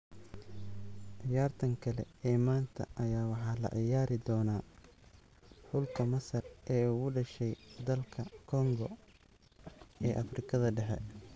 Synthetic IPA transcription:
ʕɪjaːrt̪ʰɐŋkʰɐlɛ̰ɛːmaːnt̪ʰɐ̰ʔɐjaːwɑħɑːlɐ̰ʕɪjaːɾɪd̪ɔːnaː | ħʊlkʰɐmɐsɐrʔɛːuɣʊɖɐʃɛjd̪ɐlkʰɐkʰɔŋɡɔ | ɛːʔɐfrɪkʰɐðɐɖɛħɛ̰

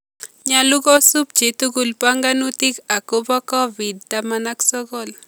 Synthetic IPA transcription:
ɲaluɡɔsup̚d͡ʒet̪uɡulpaŋɡanut̪ikakobɔkɔbid̚t̪amanaksɔɡɔl

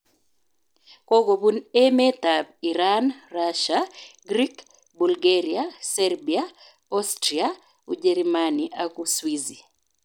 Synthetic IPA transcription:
kɔɡoβunɛmɛtabiɾanraʃaɡɾik | bulɡaɾiasɛrbia | ɔstɾia | ud͡ʒɛɾmaniʔakuswizi

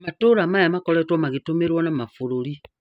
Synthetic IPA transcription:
matoːɾamajamakɔɾɔtwɔmaɣitomeɾwɔnamafoɾoɾi

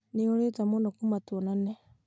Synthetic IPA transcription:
neoɾetamonakumatuɔnane

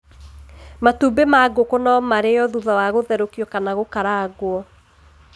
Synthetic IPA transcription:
matuːbemaɡokonɔmaɾejɔðuðɔwaɣoðɛɾokjɔkanaɣokaɾaɣwɔ

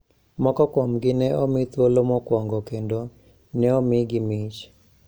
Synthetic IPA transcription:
mɔkɔkomɡɪnɛɔmɪt̪wolomɔkwɔŋɡɔkendo | nɛɔmɪɡɪmɪt͡ʃ

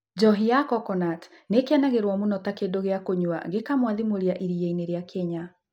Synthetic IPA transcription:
d͡ʒɔɦiakɔkɔnat | nekeanaɣeɾwɔmonɔtakedoɣeakoɲwa̰ɡekamwaðimoɾjaʔiɾijeineɾeakʰɛɲa

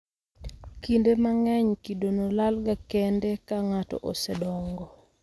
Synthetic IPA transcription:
kindemaŋɛɲkidonolalɡakɛndɛkaŋatɔ̰ʔo̰sɛdɔŋɡɔ

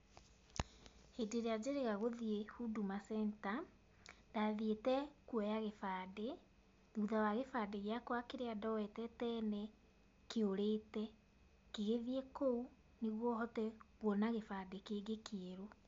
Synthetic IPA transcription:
hedeɾead͡ʑeɾeɣaɣoðiehudumasɛnta | nd̥aðietɛkwɛjaɣefaːde | ðuðawaɣefaːdeɣeakwakeɾeadɔwɛtɛtɛːnɛ | keoɾetɛ | keɣeðiekou | neɣwɔɦɔtɛɣwɔnaɣefaːdekeːɡekeeɾo

